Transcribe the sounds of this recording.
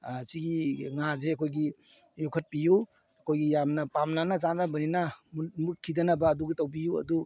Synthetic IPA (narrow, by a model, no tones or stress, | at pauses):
siɡiŋazeɐkʰojɡi | jukʰɐt̚piju | ɐkʰojɡijamnɐpamnanɐt͡ʃanɐbɐninɐmut̚kʰidɐnɐbɐːduɡitɐwbijuɐ̰du